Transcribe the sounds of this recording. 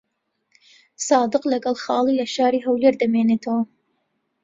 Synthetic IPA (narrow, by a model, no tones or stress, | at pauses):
sɑːd̪ɨqlɐɡɐlˠxɑːlˠiːlɐʃɑːɾiːɦɐwleːɾd̪ɐmeːneːt̪ʰawɐ